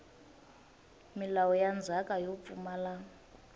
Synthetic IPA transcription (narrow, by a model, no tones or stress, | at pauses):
milawɔjand͡zʱakʼajop̪fumala